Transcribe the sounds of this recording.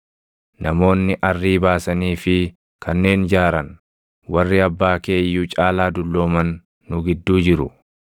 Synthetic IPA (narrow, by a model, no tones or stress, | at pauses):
nɐmo̞ːnːɪʔɐrːiːbaːsɐniːfɪ | kʰɐnːe̞ːnd͡ʒaːɾɐn | wɐrːɪɐbːaːke̞ːjːuːt͡ʃʼaːlaːd̪ʊlːo̞ːmɐnː | ʊɡɪd̪ːuːd͡ʒɪɾʊ̰